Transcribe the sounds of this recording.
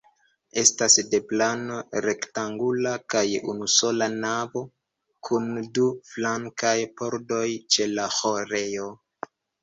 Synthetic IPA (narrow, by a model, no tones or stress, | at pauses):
e̞stasde̞plano̞ɾe̞ktaŋɡulakajṵnuso̞lanavo̞ | kʰunduflaŋkajpo̞ɾdo̞jt͡ʃe̞laxoɾe̞jo̞